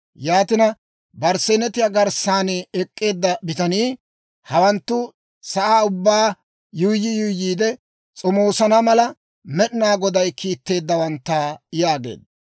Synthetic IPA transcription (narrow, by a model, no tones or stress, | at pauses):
jaːt̪ɪnɐ | bɐɾsɛnɛt̪ɪjaɡɐɾsaːnɪɛkʼːe̞ːd̪ːɐbɪt̪ɐniː | hɐwɐnt̪ːʊ | sɐʔaːʊbːaː | jʊjːɪjʊjːiːd̪ɛ | t͡sʼɔmoːsɐnɐmɐlɐ | mɛɗɪnaːɡɔd̪ɐjkʰiːt̪ːe̞ːd̪ːɐwɐnt̪ːaːɪjaːɡḛːd̪ɐ